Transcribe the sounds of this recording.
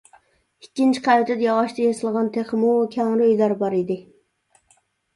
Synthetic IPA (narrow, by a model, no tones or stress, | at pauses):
ikʲːint͡ʃʰi̥qʰæjt̪ʰɪt̪jɑʁɑʃt̪ɑjɑsɨlˠʁɑnt̪ʰeχmukʲʰæŋɾɪøjlæɾbɑɾid̪ɪ